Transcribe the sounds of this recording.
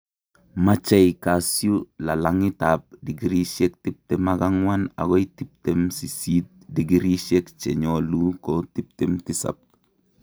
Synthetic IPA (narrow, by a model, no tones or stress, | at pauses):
mat͡ʃajkasjulalaŋitap̚diɡiɾiʃek̚tip̚temaɡaŋwana̰ɡoitip̚temsisit̚diɡiɾiʃekt͡ʃḛɲolukotip̚temtisa̰p̚